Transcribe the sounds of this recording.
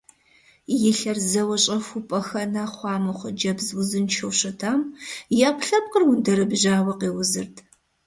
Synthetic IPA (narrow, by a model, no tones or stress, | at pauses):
jɪɬɐrzɐwɐɕʼɐxʷupʼɐxɐnaːχʷɑːmɨχʷəd͡ʒɐbzwʊzɨnt͡ʃʰɐwɕɐtʰaːmjaːpʷʰɬɐp̚qərwʊndɐɾɨbʒaːwɐqeːwʊzɨrtʰ